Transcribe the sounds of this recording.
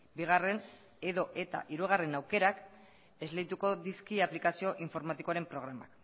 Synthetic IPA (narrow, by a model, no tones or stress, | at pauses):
biɣ̞are̞n | e̞ðo̞ʔe̞t̪a̰ʔiɾuɣ̞are̞nawke̞ɾak | e̞zleðit̪uko̞ðiskiaplikasio̞ʔiɱfo̞ɾmat̪ikoaɾe̞mpɾo̞ɣ̞ɾama̰k